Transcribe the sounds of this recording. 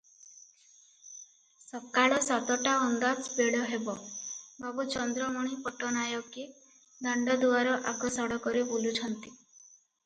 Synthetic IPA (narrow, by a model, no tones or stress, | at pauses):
sɔb̚kaɭɔsat̪ɔʈaɔnd̪ad͡ʒbeɽɔɦebɔbabut͡ʃɔnd̪ɾɔmuɽ̃ipɔʈɔnajɔki | d̪ɔɳɖɔd̪uaɾɔʔakɔsɔɽɔkɔɾibulut͡ʃʰɔnt̪i